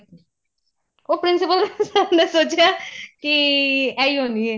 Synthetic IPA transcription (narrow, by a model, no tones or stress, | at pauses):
oːpɾɪnsɪpəlsabneːsoːt͡ʃejaːkiɛːiːɦoːniːɛː